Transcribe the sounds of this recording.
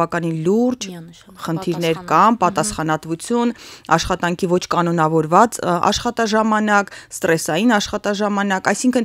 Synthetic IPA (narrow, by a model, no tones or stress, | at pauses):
ɑkɑninluɾd͡ʒ | χənt̪ʰiɾnɛɾkɑnpɑt̪ɑsχɑnɑt̪vut͡sʰjunɑʃχɑt̪ɑŋkʰivɔt͡ʃʰkɑnɔnɑvɔɾvɑt͡sɑ̰ʃχɑt̪ɑʒɑmɑnɑkst̪ɾɛsɑjinɑʃχɑt̪ɑʒɑmɑnɑkɑjsiŋkʰən